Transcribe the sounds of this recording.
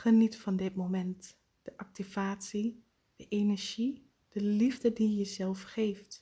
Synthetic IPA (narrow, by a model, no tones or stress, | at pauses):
χənitfɑndɪtmomɛnt | d̥əʔɑk̚tiv̥aːtsi | d̥əʔenɛɹʒi | d̥əlivdədijəzɛlˠfχejft